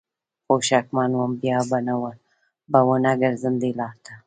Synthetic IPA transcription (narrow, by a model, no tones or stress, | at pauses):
xoʃakmɑnwambjɑbanawəl | bawənaɡəɾzəmd̪elɑɾt̪ʰa